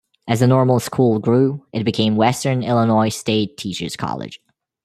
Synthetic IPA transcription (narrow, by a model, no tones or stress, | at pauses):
ʔɨzðənɔɹml̩ˠskʰulˠɡɹuʔɨt̚b̥ɨkʰẽɪ̃mwɛstə̃˞nɪlˠənɔɪsteɪtʰːit͡ʃə̰˞z̥kʰɑ̰lˠɪ̰d̥ʒ̥